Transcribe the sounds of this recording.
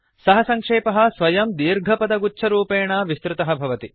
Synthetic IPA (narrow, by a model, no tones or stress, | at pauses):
sɐɦɐsɐŋkʂeːpɐɦɐ̆sʋɐjɐmd̪iːɾɡʱɐpɐd̪ɐɡut͡ʃʰɐɾuːpeːɳɐːʋist̪ɾɪt̪ɐɦɐ̆bʱɐʋɐt̪i